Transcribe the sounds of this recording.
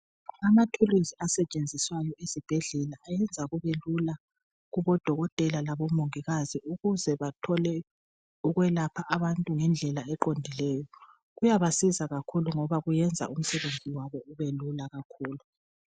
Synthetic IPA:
amatʰuluziasɛt͡ʃʼend͡zʱiswajɔezib̥ʱeɮɛlaʔajɛnd͡zʱaɣuβelula | ɣuβɔd̥ʱɔɣɔtʼɛlalaβɔmoŋiɣaziuɣuzɛβatʰɔlɛ | uɣwɛlapʰaʔaβantʼuŋɛnd͡ɮʱɛlaɛǃondʱilɛːjɔ | ɣujaβasizaɣakʰuluŋɔβaɣujɛnd͡zʱa̰um̩sɛβend͡zʱiwaβɔuβelulaɣakʰuːlu

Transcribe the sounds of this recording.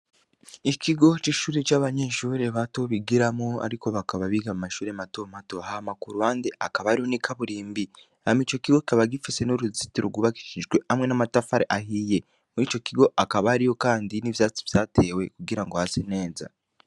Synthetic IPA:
ikʰiɡo̞t͡ʃiʃuːɾet͡ʃaβaɲe̞ʃuːɾe̞βato̞βiɡiɾamoa̰ɾiko̞βakaβaβiɡamumaʃuːɾeamato̞mato̞ahamakuɾuhaːndeʔakaβaɾiho̞nikʰaβuɾiːmbi | ahamit͡ʃo̞kiɡo̞ki̥kaβaɡifise̞nuɾuzitiɾoɡuβaki̥ʃiʒɡwe̞hamŋe̞namatafaɾeʔaɦiːje̞ | muit͡ʃo̞kiɡo̞ʔakaβaaɾiho̞kaːndinivjat͡si̥vjaːte̞we̞kuɡiɾaŋɡo̞hasene̞ːza̰

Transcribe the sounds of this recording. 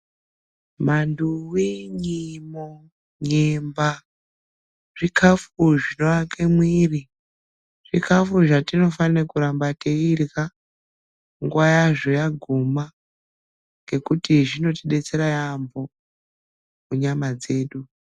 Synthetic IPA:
manduwiɲimo | ɲemba | ʐ̥ikʰafuʐino̞ʋakemwiri | ʐ̥ikʰafuʐatino̞fanekuɾambateirka | ŋɡwajaʐojaɡʱuma | ŋɡe̞kutiʐino̞tiɗet͡se̞ɾajambo̞ | kuɲamad͡ze̞ːɗu

